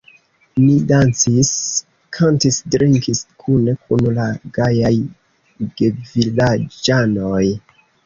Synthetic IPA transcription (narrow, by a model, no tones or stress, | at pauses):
nidant͡sis | kʰantisdɾiŋkiskʰune̞kʰunlaɡajaj | ɡevilad͡ʒanoj